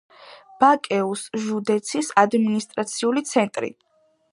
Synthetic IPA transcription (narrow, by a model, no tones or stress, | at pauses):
b̥akʼɛusʒud̪ɛt̪sʰisad̪minist̪ʼɾat̪sʰiulit̪sʰɛnt̪ʼɾḭ